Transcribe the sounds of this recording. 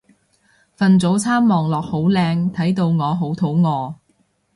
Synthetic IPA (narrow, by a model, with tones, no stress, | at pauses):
fɐ˨nt͡so˨˥wt͡sʰaː˥mːɔː˨ŋlɔː˨k̚ho˨˥wlɛː˧ŋt̪ʰɐ˨˥jt̪o˧wŋɔː˨˧ɦo˨˥wt̪ʰo˨˥wŋɔː˨˧